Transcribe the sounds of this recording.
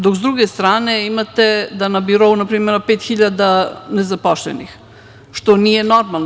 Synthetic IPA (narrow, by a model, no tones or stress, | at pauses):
d̪okzd̪ɾuɡest̪ɾaːneimat̪ed̪anabiɾo̞unapɾiːmeɾpeːt̪xiʎad̪anezapoʃlɛ̰nḭx | ʃt̪onijenoɾmalˠn